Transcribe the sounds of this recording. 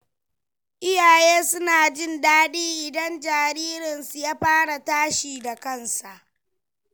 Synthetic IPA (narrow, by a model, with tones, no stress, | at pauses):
ʔɪ˦jaː˨jeː˦sʊ˦naː˨d͡ʒɪ˦˨ndaː˦ɗiː˦ʔɪ˨dɐ˦nd͡ʒaː˨ɾiː˦ɾɪ˨nsu˨jaː˦ɸaː˦ɽa˨taː˦ʃiː˨da˨kɐ˦nsa˨ʔ